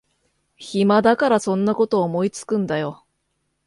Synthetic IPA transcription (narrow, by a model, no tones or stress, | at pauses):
çimad̪akaɾasõ̞nːako̞t̪o̞ːmo̞it͡sɨ̥kɯ̟̃nd̪ajo̞